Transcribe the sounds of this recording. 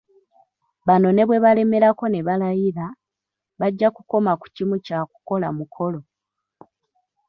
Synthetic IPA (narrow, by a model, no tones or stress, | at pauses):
βano̞ne̞βwe̞βale̞me̞ɾako̞ne̞βalajiɾa | βaɟːakuko̞maku̥cimucaku̥ko̞lamukʰo̞lo̞